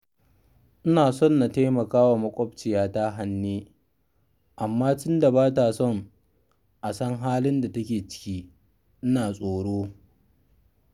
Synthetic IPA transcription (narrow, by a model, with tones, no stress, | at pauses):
ʔɪ˦naː˨sɔ˦˨nːa˨ta˦mɐ˨kaː˦wa˨mɐ˦kʷʼɔ˦b̚t͡ʃɪ˨jaː˦ta˦ɦa˦nːiː˦ | ʔa˨mːaː˦tʊ˦nda˨baː˦ta˨sɔ˦˨ŋ | ʔa˨sɐ˦ŋɦaː˦lɪ˦nda˨tɐ˦kʲeː˨t͡ʃɪ̥˦kʲiː˦ | ʔɪ˦naː˨sʼoː˨ɽoː˦